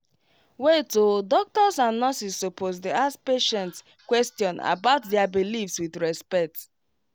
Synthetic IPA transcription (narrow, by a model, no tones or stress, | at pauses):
wetodɔk̚tɔsãnːɔsistopʰosdeaspeʃɛ̃nts | kwɛstjɔ̃na̰baʊtdɛabilifswiθɹɛspɛk̚t